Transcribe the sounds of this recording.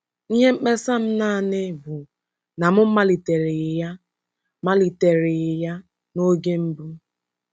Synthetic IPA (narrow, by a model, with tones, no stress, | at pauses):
i˦ɦe˦m̩˦k͡pe˦sa˦m̩˦na˦˨nɪ˦bʊ˨ | na˨mʊ˦m̩˦ma˦li˨te˨ɾɪ˨ja˦ | ma˦li˨te˨ɾɪ˨ja˦ | no˦ɡe˦m̩˦bu˦